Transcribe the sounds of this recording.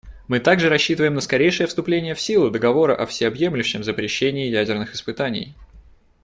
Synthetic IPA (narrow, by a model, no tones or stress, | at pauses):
mɨt̪aɡʐɨɾɐɕːit̪ɨvəjɪmnəskɐɾʲejʂɨjəfst̪ʊplʲenʲɪjəfsʲilˠʊd̪əɡɐvo̞ɾə̰ʔɐfsʲɪɐbje̞mlʲʉɕːɪmzəpɾʲɪɕːenʲɪːjædʲɪrnɨxɨspɨt̪anʲɪ̰j